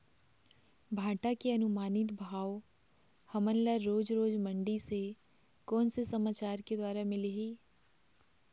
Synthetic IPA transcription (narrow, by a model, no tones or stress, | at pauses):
bʱaːʈakeɐnʊmaːnɪt̪bʱaːo | hɐmənlaɾoːd͡ʒɾoːd͡ʒmə̃ɳɖise | kɔːnsesɐmaːt͡ʃaːɾked̪waːɾamɪleɦiː